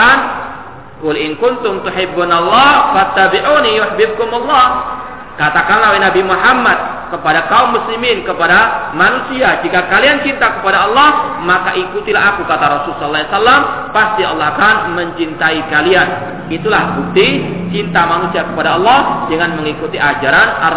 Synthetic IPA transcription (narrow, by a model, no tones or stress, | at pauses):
n | kʊlʔɪnkʊnt̪ʊmt̪uħɪbːanalːɑhwat̪ːabiʕunijʊħbɪb̚kʊmalːɑh | kat̪akanlawenabimuħamːad̪̚ | kəpadakaumːusliminkəpadamanusiad͡ʒikakaliant͡ʃint̪akəpadaɑlːɑhmakaʔikut̪ilaɦakukat̪aɾɔsulsɔllːasalːam | past̪iɑ̰lːɔhakanməɲt͡ʃint̪aikalian | it̪ulahbuk̚t̪it͡ʃint̪amanusiakəpadaɑlːɑhd͡ʒəŋanməŋikut̪iʔad͡ʒaɾanʔa